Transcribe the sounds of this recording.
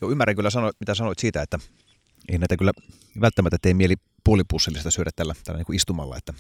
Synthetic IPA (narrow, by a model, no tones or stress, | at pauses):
joymːæræŋkylːæsɑnoit̪mit̪æsɑnoit̪siːt̪æet̪ːæ | ḛinæˑit̪ækylːæ | ʋælt̪ːæmæt̪ːæet̪ːeimieli | puolipusːelist̪ɑsyøɾæt̪t̪ælːæt̪æ̰lːæniŋkuist̪umɑ̰lːɑ̰ḛt̪ːæ